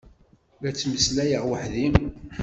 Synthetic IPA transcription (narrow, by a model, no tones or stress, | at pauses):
ɾæt͡sːməslæjəʁwəħðim